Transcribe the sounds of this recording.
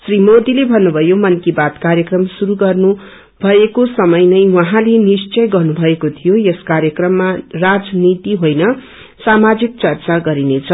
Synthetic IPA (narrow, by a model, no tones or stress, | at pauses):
srimod̪ilebʱʌnːubʱʌjomʌnkibat̪karjʌkrʌmsuɾuɡʌrnu | bʱʌekosʌmʌjnʌjwʌɦãlenist͡sʌjɡʌrnubʱʌekot̪ʰijojeskaɾjʌkrʌmːarad͡znit̪iɦojnʌ | samad͡zik̚t͡sʌrt͡saɡʌɾinet͡sʰʌ